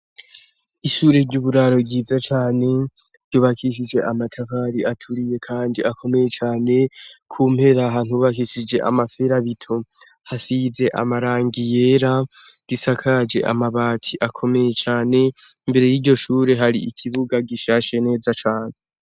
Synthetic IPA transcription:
iʃuːɾe̞ɾɟuːβuɾaɾo̞ɟiːzat͡ʃaːne̞ | ɾɟuːβakʰiʃ̬id͡ʒe̞ʔamatʰakaɾiatʰuɾije̞kʰaːndiʔakʰo̞me̞je̞t͡ʃaːne̞kʰuːm̥he̞ɾaɦan̥huːβakiʃid͡ʒe̞ʔa̰mafeɾaβitʰo̞ | hasize̞ʔa̰maɾaːŋɡije̞ːɾa | disakʰad͡ʒe̞̰ʔa̰maβaːtʰiʔakʰo̞me̞je̞t͡ʃaːne̞ | imbe̞ɾejiːɟo̞ʃuːɾe̞ɦaɾiikʰiβuɡaɡiʃaʃe̞ne̞ːzat͡ʃaːne

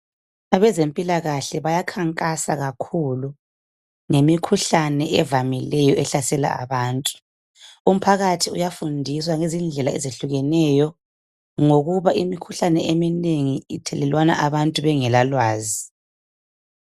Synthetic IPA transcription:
aβɛzempʼilaɣaɬɛβajakʰaŋkʼasaɣakʰulu | ŋemikʰuɬanɛʔɛvamilɛjɔɛɬasɛla̰a̰βaːntʼu̥ | um̩pʰaɣatʰiujafundʱis̬waŋezind͡ɮʱɛlaḛzeɬuɣɛnɛjɔ | ŋoɣuβaʔimikʰuɬanɛʔemineŋitʰɛlɛlwana̰ʔaβantʼuβɛŋɛlalwaːzi

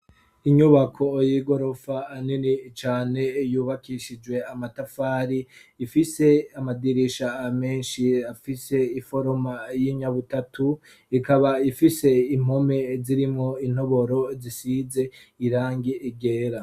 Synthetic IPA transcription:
iɲuβakʰo̞jiɡo̞ɾo̞faːninit͡ʃaːne̞juːβakiʃid͡ʒɡwe̞amatafaːɾiː | fise̞amadiɾiʃame̞ːnʃiafise̞ifo̞ɾomajiɲaβutatʰu | ikaβaifise̞im̥o̞me̞ziɾimŋoin̥ho̞βo̞ɾo̞zisize̞ | iɾaːŋɡiʔiɡe̞ːɾa

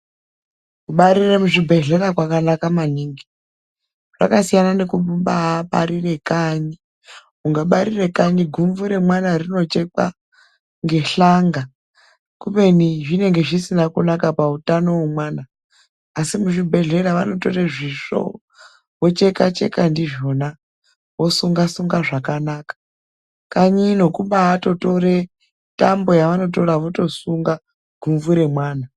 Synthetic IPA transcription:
kuɓaɾiremuʐibʱe̞ɮe̞ɾakwakanakamaniːŋɡi | ʐ̥a̰kasijanane̞kuɓumɓaɓa̰ɾire̞kaɲi | uŋɡaɓaɾire̞kaɲiɡʱumvuɾe̞mwanarino̞t͡ʃe̞k͡pa̰ | ŋɡe̞ɬaŋɡa | kupe̞niʐine̞ŋɡe̞ʐisinakunakapautano̞wemwaːnaː | simuʐibʱe̞ɮe̞ɾaʋa̰noto̞ɾeʐiʂo̞̰ | wot͡ʃe̞kat͡ʃe̞̰kandiʐo̞na | wo̞suŋɡasuŋɡaʐakanakḁ | kaɲino̞kumɓaːto̞to̞ɾe | tambo̞jaʋano̞to̞ɾaʋoto̞suŋɡa | ɡʱuɱvuɾe̞mwaːna

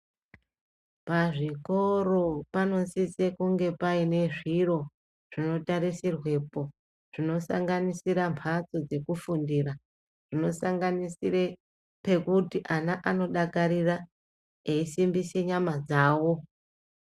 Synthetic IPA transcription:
paʐiko̞ro̞pano̞sisekuŋɡe̞paine̞ʐiro̞ | ʐ̥ino̞taɾisirwe̞po̞ | ʐ̥ino̞saŋɡanisiɾampʰat͡so̞d͡ze̞kufundira | ʐ̥ino̞saŋɡanisiɾe | pe̞kutiʔanaʔano̞ɗakaɾira | eisimbise̞ɲamad͡zaːwo̞

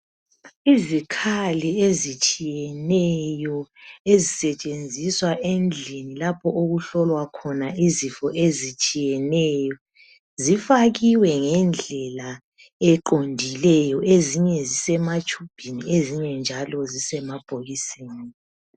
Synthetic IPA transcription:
izikʰaliezit͡ʃʼijɛnɛjɔezisɛt͡ʃʼend͡zʱiswaʔend͡ɮʱinilapʰɔʔoɣuɬɔlwakʰɔnaʔizifɔʔezit͡ʃʼijɛnɛjɔ | zifaɣiwɛŋɛnd͡ɮʱɛla | ɛǃondʱilɛjɔʔeziɲɛzisɛmat͡ʃʼub̥ʱinieziɲɛnd͡ʒʱalɔzisɛmab̥ʱoɣiseːni

